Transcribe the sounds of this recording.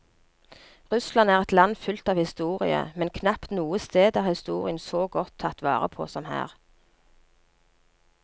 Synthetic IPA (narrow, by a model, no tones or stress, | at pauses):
ʁʉslɑnæːʁɛt̪lɑnfʉlt̪ɑːʋhɪst̪uːʁɪə̰mɛnkʰnɑpt̪nuːəst̪eːd̪æːʁhɪst̪uːʁɪənsoːɡɔt̪ʰːɑt̪ʋɑ̰ːʁə̰pʰo̰ːsɔmhæ̰ːʁ